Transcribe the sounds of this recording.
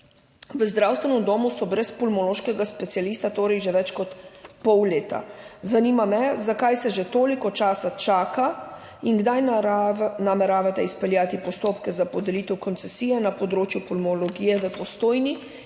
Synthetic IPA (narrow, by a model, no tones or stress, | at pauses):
ʋəzd̪ɾawst̪ʋɛnɔmd̪oːmusɔbɾɛspɔlmɔloːʃkɛɡaspɛt̪sijaliːst̪at̪oːɾɛjʒeʋɛt͡ʃkɔt̪pɔwleːt̪a̰zanimamɛzakajsɛʒet̪oːlikɔt͡ʃaːsat͡ʃaːka | iŋɡd̪aj | namɛɾaːʋat̪ɛispɛljaːt̪ipɔst̪oːpkɛzapɔd̪ɛlit̪ɛwkɔnsɛsiːjɛnapɔd̪ɾoːt͡ʃjupɔlmɔlɔɡiːjɛʋəpɔst̪oːjni